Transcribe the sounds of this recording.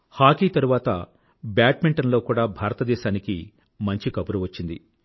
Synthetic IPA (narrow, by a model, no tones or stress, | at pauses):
haːkiːt̪ɐɾuʋaːt̪ɐ̰ | baːʈ̚miɳʈɐnlo̞ːkuːɽaːbʱaːɾɐt̪ɐd̪ɛːʃaːniki | mɐɲt͡ʃikɐpuɾuʋɐt͡ʃːind̪i